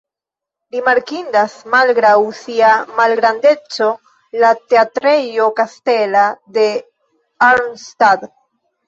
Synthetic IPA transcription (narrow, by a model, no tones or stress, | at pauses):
ɾimaɾkindasmalɡɾawsiamalɡɾande̞t͡so̞ | late̞atɾe̞jo̞kaste̞lade̞ | aɾnstad